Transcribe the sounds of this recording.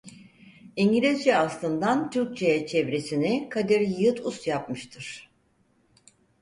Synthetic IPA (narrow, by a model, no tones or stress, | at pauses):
iɲɟilʲizd͡ʒɛaslˠɯnd̪ant̪ʰyɾc̚t͡ʃʰejɛt͡ʃʰɛvɾesinɛkʰad̪iɾjɯjɯt̪ʰust̪jap̚mɯʃt̪ʰɯɾ̥